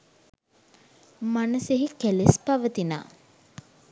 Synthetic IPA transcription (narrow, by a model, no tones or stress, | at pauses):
manəseɦikælespaʋət̪ina̰ː